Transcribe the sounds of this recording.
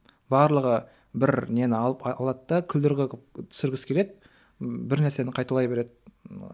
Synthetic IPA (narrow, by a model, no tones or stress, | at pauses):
bɑɾlˠəʁə | bɪɾnenɪɑɑlˠɑt̪ːɑkʲʰʏld̪ɪɾɡʲet̪ʰʏ̥sɪɾɡʲɪskʲʰe̞le̞d̪ɪ | bɪɾnæɾse̞nɪqʰɑjt̪ɑlˠɑjbeɾe̞d̪ɪ